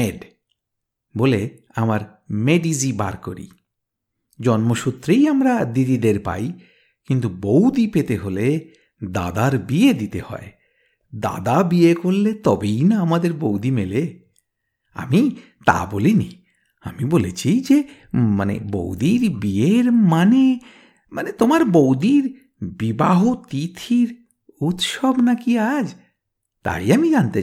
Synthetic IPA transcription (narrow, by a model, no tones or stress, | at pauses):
eɖ | bole | amaɾ | meɖiziba̰ɾko̰ɾḭ | d͡ʑɔnmoʃut̪ɾejamɾad̪id̪id̪eɾpa̰j | kint̪ubowd̪ipet̪eɦole | d̪a̰d̪aɾbied̪it̪ehɔ̰e | d̪a̰d̪abiekolːet̪ɔbejnaamad̪eɾbowd̪imele | a̰mi | t̪a̰bolini | amibolet͡ɕʰid͡ʑe | manḛbo̰wd̪iɾbieɾmane | manet̪omaɾbowd̪iɾ | bibaɦot̪it̪ʰiɾ | ut̪ʃɔbnakiad͡ʑ | t̪a̰iamid͡ʑant̪e